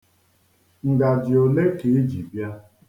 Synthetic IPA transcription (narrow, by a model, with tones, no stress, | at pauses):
ŋ̩˨da˨d͡ʒɪ˨o˨le˦ke˨e˦d͡ʒi˨bja˦